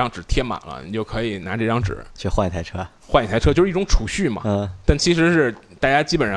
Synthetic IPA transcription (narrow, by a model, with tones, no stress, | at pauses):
ɑ˥˩ŋʈ͡ʂɻ̩˨˩t̪ʰjɛ˥ma̰˨˩lə̰˦ni˨˩t͡ɕjo˥˩ʊkʰɤ˧˥i˨˩na˧˥ʈ͡ʂɤ˥˧˩ʈ͡ʂɑ˥ŋʈ͡ʂɻ̩̰˨˩˦t͡ɕʰy˥˧xwa˥˧ni˨˩t̪ʰa˥˩ɪʈ͡ʂʰɤ˥ | xwa˥˧ni˨˩t̪ʰʈ͡ʂʰɤ˥t͡ɕo˥˧ʂ̩˥˧˥ʈ͡ʂʊ˧˥ŋʈ͡ʂʰu˨˩ɕy˥˩mɐ̰˨˩˥t̪a˥˩nt͡ɕʰi˧˥ʂɻ̩˧˥ʂɻ̩˥˩t̪a˥˩t͡ɕja˥t͡ɕi˥pə˨˩n˩˥